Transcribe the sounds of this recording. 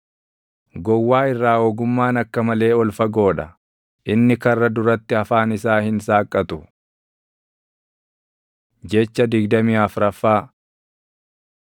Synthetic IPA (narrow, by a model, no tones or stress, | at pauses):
ɡɔwːaːɪrːaːoːɡʊmːaːnɐkːɐmɐle̞ːɔlfɐɡo̞ːᶑɐ | ʔɪnːɪkɐrːɐd̪ʊɾɐt̪ːɪɐfaːnɪsaːhɪnsaːkʼːɐt̪ʊ | d͡ʒɛt͡ʃːɐd̪ɪɡd̪ɐmiːɐfɾɐfːaː